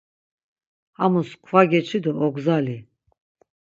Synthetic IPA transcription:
hamuskʰvaɡɛt͡ʃʰid̪ɔɔɡzali

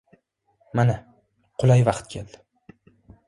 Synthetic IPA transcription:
mana | qʰʊlˠajvɑqt̪kʲʰeld̪̥ɪ

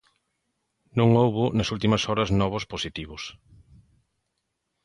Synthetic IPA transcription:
nõŋowβʊnɐsult̪imɐsɔɾɐznɔβ̞ʊsposit̪iβʊs

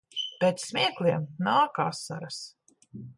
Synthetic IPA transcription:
pʲɛːt̪sːmʲiɛklˠiɛmnaːka̰ːsːa̰ɾas

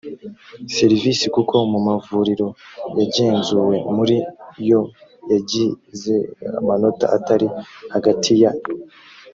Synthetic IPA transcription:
se̞ɾivisikukʰo̞mumavuɾiɾo̞jaɟe̞ːnzuwe̞muɾijo̞jaɟize̞a̰mano̞ta̰ʔataɾihaɡatʰija

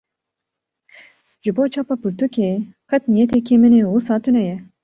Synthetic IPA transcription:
ʒ̥ɨboːt͡ʃʰɑːpɑpɨɾt̪ukeː | kʰɑt̪nijɛt̪ʰekʰemɨneːwusɑːt̪ʰunɛjɛ

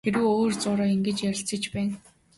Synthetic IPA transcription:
eɾɘ̆woːrt͡sʊːɾaːiŋɡĕt͡ɕjæɾʲɪ̆ɬt͡sə̆t͡ɕpæːn

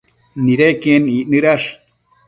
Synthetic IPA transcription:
niɾekeniʔnɨɾaʂ

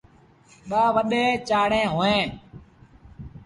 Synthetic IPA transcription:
ɓaːʋəɗ̪eːt͡ʃaːɽẽːɦoːẽː

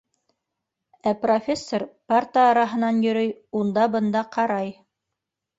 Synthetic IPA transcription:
æprofʲesːorpart̪əːɾɑɦɤ̆nɑnjɵ̆ɾɵjund̪ɑbɤ̆nd̪ɑqɑɾɑj

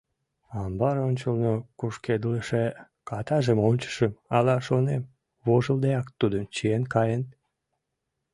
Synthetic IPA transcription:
ɑmbɑɾonʲt͡ɕəlnokuʃked̪ələʃe | kɑt̪ɑʒəmonʲt͡ɕə̥ʃəmɑlɑʃonem | βoʒəld̪eɑkt̪ud̪əmt͡ɕienkɑjən

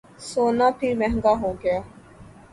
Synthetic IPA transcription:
soːnaːpʰiɾmɛɦŋɡaɦoːɡɐjaː

